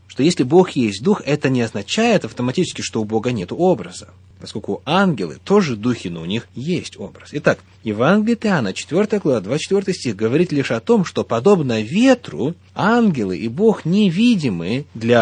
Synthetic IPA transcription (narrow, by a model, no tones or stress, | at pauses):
ʂt̪o̞jesʲlʲɪbo̞xjesʲt̚ʲd̪uxɛt̪ənʲɪɐznɐt͡ɕæjɪt̪ɐft̪əmɐtʲit͡ɕɪskʲɪʂt̪o̞ʊbo̞ɡənʲe̞t̪ʊo̞bɾəzə | pɐskolʲkʊanɡʲɪlˠɨ̰t̪o̞ʐɨd̪uxʲɪnəʊnʲixjesʲtʲo̞bɾəsɪt̪ak | jɪvanɡʲɪlʲɪt̪ɪanːət͡ɕɪ̥t̪vʲo̞rt̪əjəɡlˠɐvad̪vat͡ɕɪ̥t̪vʲo̞rt̪ɨjsʲtʲiɣɡəvɐɾʲit̪lʲiʂɐt̪o̞mʂt̪o̞pɐd̪o̞bnəvʲe̞t̪rʊ̰ | anɡʲɪlˠɨ̰ʔibo̞xnʲɪvʲidʲɪmɨd̪lʲɐ